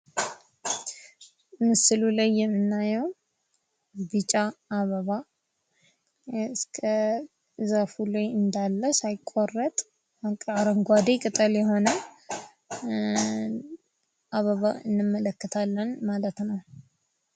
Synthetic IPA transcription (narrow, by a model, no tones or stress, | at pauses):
ʔɨmːɨsɨlulajːɛmːɨnːajɛw | bɨt͡ʃʼaːβəβa | skʰə | zafulajɨnd̪alːəsajɪkʼːorːət̪ʼ | kʼaɾəŋɡʷad̪ekʼɨt̪ʼəljɛɦo̞nə | ʔaβəβaɨ̰nːɨmːələkːət̪ʰalːənmalət̪nəw